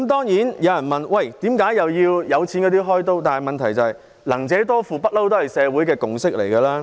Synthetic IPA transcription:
mt̪ɔː˥ŋjiː˨˥njɐ˨˧wjɐ˨˩nmɐ˨nwɐ˥˨˩jt̪iː˨˥mkaː˨˥jjɐ˨wjiː˧wjɐ˨˧wt͡sʰiː˨˥nkɔː˨˧t̪iː˥ɦɔː˥jt̪o˥wt̪aː˨nɐ˨jmɐ˨nt̪ʰɐ˨˩jt͡sɐ˨˧hɐ˨j | lɐ˨˩ŋt͡sɛː˨˧˥t̪ɔː˥fuː˨pɐ˥t̚lɐ˥wt̪o˥hɐ˨˩jsɛː˨˧wuː˨˥jkɛː˧kʊ˨ŋsɪ˥k̚le˨˩jkɐ˧laː˥

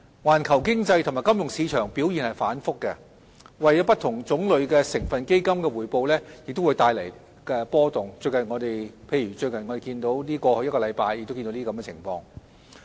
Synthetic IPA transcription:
waː˨˩nkʰɐ˨˩wkɪ˥ŋt͡sɐ˧jt̪ʰʊ˨˩maː˨˩kɐ˥mjʊ˨ŋsiː˨˧t͡ʃʰœː˨˩ŋpi˨˥wjiː˨nhɐ˨jfaː˨˥nfʊ˥kːɛ̰˧ | wɐ˨jɔː˨˥pɐ˥t̪̚ʰʊ˨˩ŋt͡sʊ˨˥ŋlɵ˨˧ɥkɛː˧sɪ˨˩ŋfɐ˨nke˥jkɐ˥mkɛː˧wuː˨˩jpo˧wlɛː˥jɪ˨k̚t̪o˥wuː˨˧jt̪aː˧jlɐ˨˩j | kɛː˧pɔː˥t̪ʊ˨˩ŋt͡ʃɵ˧ɥkɐ˨˩nŋɔː˨˧t̪e˨jpʰe˧jɥyː˨˩t͡ʃɵ˧ɥknŋɔː˨˧e˨jkiː˧nt̪o˨˥wliː˥kɔː˧hɵ˧jɐ˥t̚kɔː˧lɐ˨˧jpaː˧jːɪ˨k̚t̪ki˧t̪o˧˥niː˥˧kɐ˧˥m˥ɛ˧˨t͡sʰɪ̰˨˩ŋfɔ̰ː˧ŋ

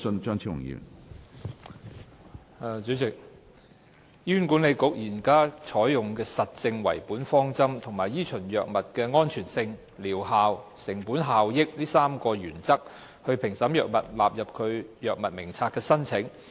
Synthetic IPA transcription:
ə˧nt͡ʃœː˥ŋt͡sʰi˥ʊ̰˨˩ŋjḭ˨˩n˨ | t͡sy˨˥t͡sɪ˨k̚ | jyː˥nku˨˥nle˨˧jkʊ˨˥k̚jiː˨˩nkaː˥t͡ʃʰɔː˨˥jjʊ˨ŋkɛː˧sɐ˨t̚t͡sɪ˧ŋwɐ̰˨˩jpuː˨˥nfɔː˥ŋt͡sɐ˥mt̪ʰʊ˨˩ŋmaː˨jiː˥t͡ʃʰɵ˨˩njœː˨k̚mɐ˨t̚kɛː˧ŋɔː˥nt͡ʃʰyː˨˩nsɪ˧ŋ | liː˨˩wɦaː˨wsɪ˨˩ŋpuː˨˥nɦaː˨wjɪ˥k̚liː˥saː˥mkɔː˧jyː˨˩nt͡sɐ˥k̚ | hɵ˧ɥpʰɪ˨˩ŋsɐ˨˥mjœː˨k̚mɐ̰˨t̚laː˨p̚jɐ˨p̚kʰɵ˨˧ɥjœː˨k̚mɐ˨t̚mɪ˨˩ŋt͡sʰaː˧t̚kːɛː˧sɐ˥nt͡sʰɪ˨˥ŋ

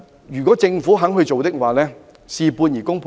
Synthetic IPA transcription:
jyː˨˩kʷɔː˨˥t͡sɪ˧ŋfuː˨˥ɦɐ˨˥ŋɦɵ˧t͡so˨wt̪ɪ˥k̚waː˨lɛː˥ | siː˨puː˧njiː˨˩kʊ˥ŋpʰː

